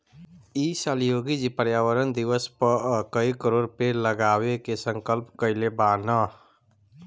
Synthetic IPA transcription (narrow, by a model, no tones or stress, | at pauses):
isaljoːɡid͡ʒipəɾjaːwəɾənd̪iʋəspəkəikəɾoːɾpeləɡaːwekesə̃ŋkəlpkəɪlebaːnə